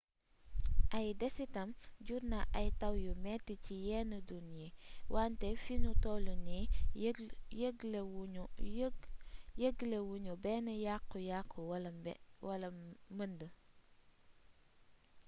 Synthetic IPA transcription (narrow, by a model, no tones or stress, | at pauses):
ʔɐjdɛsitɐmɟuɾnɐʔɐjtɐwjumɛːtːicijɛːnədunjɛwantɛfinutɔːluni | jəɡl | jəɡlewuɲubɛːnəjaqːujaqːuwɐlɐwɐlɐməndə